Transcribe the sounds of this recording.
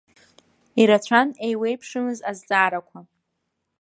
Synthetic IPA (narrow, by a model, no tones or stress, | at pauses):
iɾat͡ɕʷʰanejwe̞jpʰʂɨmɨzazd͡zʼaːɾakʷʰa